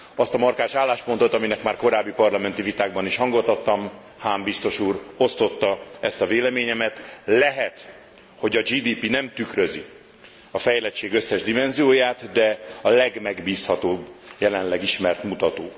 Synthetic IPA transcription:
ɒst̪ɒmɒrkaːʃaːlːaːʃpo̞nt̪o̞t̪ɒminɛkmaːrko̞ɾaːbːipɒrlɒmɛnt̪ivit̪aːɡbɒniʃhɒŋɡot̪ːɒt̪ːɒm | haːmbist̪o̞ʃuːro̞st̪o̞t̪ːɒɛst̪ɒveːlɛmeːɲɛmɛt̪lɛɦɛt̪ | ho̞ɟɒd͡ʒiːd̪iːpinɛmt̪ykrø̞zi | ɒfɛjlɛt͡ʃːeːɡøsːɛʒd̪imɛnzijoːjaːt̪d̪ɛɒlɛɡmɛɡbiːshɒt̪oːbːjɛlɛnlɛɡiʃmɛrt̪mut̪ɒt̪oː

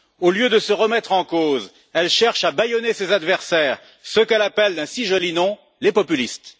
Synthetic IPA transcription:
oljød̪əsəʁəmɛt̪χɑ̃koz | ɛlʃɛʁʃabajɔnesezad̪vɛʁsɛːʁ | səkɛlapɛld̪ɛ̃siʒɔlinɔ̃ | lepɔpylist̪

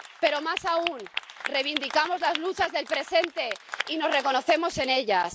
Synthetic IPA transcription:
pe̞ɾo̞masaunre̞jβ̞ind̪ikamo̞zlazlut͡ʃazðe̞lpɾe̞se̞nt̪e̞ino̞zre̞ko̞no̞θe̞mo̞se̞ne̞ʎas

